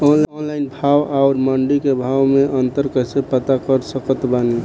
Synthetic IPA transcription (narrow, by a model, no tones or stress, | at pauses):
ɔnlonlaɪnbʱawaʊɾməɳɖikebʱawmeʔənt̪əɾkəsepət̪akəɾsəkət̪bane